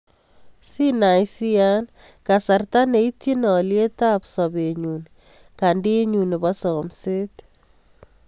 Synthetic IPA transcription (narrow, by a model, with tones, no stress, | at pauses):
si˦na˨jsi˦a˦nka˨sa˨rta˦ne˨i˦tje˦nɔ˨lje˦ta˦psɔ˨be˨ɲu˨ni | ka˨ndi˦ɲu˨ni˨bɔsɔ˨mse˦t